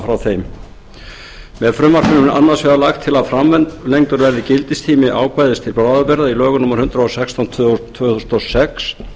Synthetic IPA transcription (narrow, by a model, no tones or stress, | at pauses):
fɾawθejm | mɛðfɾʏmvaɾ̥kʏnʏnʔa̰nːasvɛɣalaxt̪ʰːɪlaðfɾamvɛnt̪lejŋt̪ʏɾvɛɾðɪcɪlt̪ɪst̪ʰiːmɪʔaːwkvajðɪst̪ʰɪlpɾaːðapɛɾðailœːɣʏnʊmːaɾ̥hʏnt̪ɾaɔsɛkst̪ʰawnt̪ʰʏt̪ʰv̥ʏːθust̪ɔsɛks